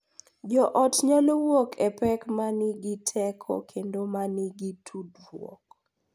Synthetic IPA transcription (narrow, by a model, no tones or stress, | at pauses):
d͡ʒɔʔɔtɲalowokʰɛpɛkmaniɡitʰɛkʰɔ̰kʰendomaniɡitʰudwwɔ̰k